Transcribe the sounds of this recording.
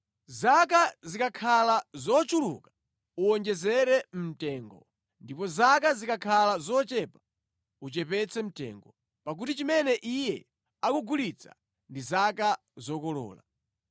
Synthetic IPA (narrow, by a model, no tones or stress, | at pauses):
zakazikakʰalazɔt͡ʃulṵkḁ | uɔnd͡ʒɛzɛɾɛm̩tɛːŋɡɔ | ndipɔzakazikakʰalazɔt͡ʃɛpḁ | ut͡ʃɛpɛt͡sʰɛm̩tɛ̰ːŋɡɔ | pak̬utit͡ʃimɛnɛʔijɛ | akuɡulit͡sʰa̰ | ndizaka | zɔkɔlɔ̰ːla̰